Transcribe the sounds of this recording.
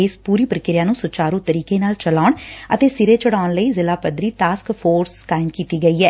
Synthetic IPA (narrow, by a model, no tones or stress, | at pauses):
espuːɾiːpɾəkɪɾɪjãːnũːsʊt͡ʃaːɾũːt̪əɾiːkeːnaːlt͡ʃəlaːʊɳət̪eːsɪɾeːt͡ʃəɽaːʊɳləiːzɪlaːpəd̪ɾiːʈaːskpʰoːɾskaːɪmkiːt̪iːɡəiːɦɛː